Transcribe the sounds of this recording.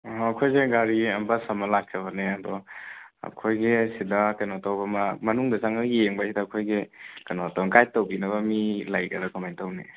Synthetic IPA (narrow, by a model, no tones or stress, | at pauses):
ɔɐkʰojseɡaɾiɐmbɐsɐmɐlak̚ʰɐβɐneɐdɔɐ̰kʰojɡisidɐkajnotawbɐmɐmɐnuŋdɐzaŋɐjeŋbɐsidɐːkʰojɡikɐjnɔtɔkajtowbinɐβɐmilajkɐ̰ɾɐkɔmajntɐwni